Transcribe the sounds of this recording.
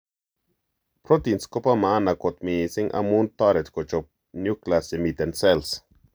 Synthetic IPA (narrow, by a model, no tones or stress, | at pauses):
pɾot̪inskopamanakot̪misiŋʔa̰munt̪aɾet̪kot͡ʃop̚ | njuklasemit̪ensels